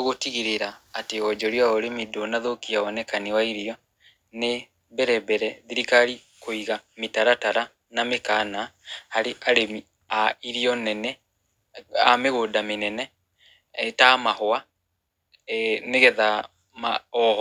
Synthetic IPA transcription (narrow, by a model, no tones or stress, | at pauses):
oɣotiɣiɾeɾaːteɔd͡ʒɔɾiaoɾemidonaðokiawɔnɛkanewaiɾiɔ | ne | bɛɾɛbɛɾɛðiɾikaɾi | koiɣametaɾataɾa | namekanahaɾeʔaɾemi | aiɾiɔnɛnɛ | ameɣoːdamenɛnɛ | tamahoa | neɣɛða | maɔhɔ